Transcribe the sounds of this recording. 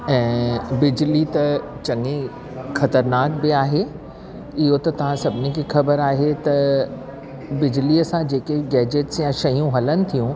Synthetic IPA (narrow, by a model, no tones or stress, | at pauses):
ɛ̃ːbɪd͡ʑlit̪ɐt͡ɕɐŋẽ | xɐt̪əɾnaːk̚bɪaːɦe | ɪɦot̪ɐt̪ɐʋ̤ãsɐbʱɪnikʰixɐbəɾaːɦet̪ɐ | bɪd͡ʑliəsãd͡ʑeːkeɡɛːd͡ʑeʈsjãʃɐɦijũɦɐlənɪ̆t̪ʰijũ